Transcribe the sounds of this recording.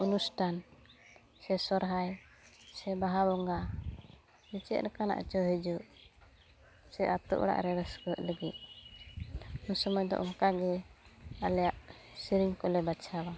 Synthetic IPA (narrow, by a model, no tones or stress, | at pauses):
unusʈʰan | sɛsɔɾɦaj | sɛbaɦabɔŋɡa | bit͡ʃɛ̰t̪̚ɾkana̰ʔt͡ʃɔɦɛd͡ʒuʔ | sɛʔat̪ɔ̰ʔɔ̰ɽa̰ʔɾɛɾəskəʔ̪ləɡit̪̚ | usɔmɔjd̪ɔ̰ʔɔŋkaɡɛ | alɛjaʔ | siɾiŋkɔlɛbat͡ʃʰaba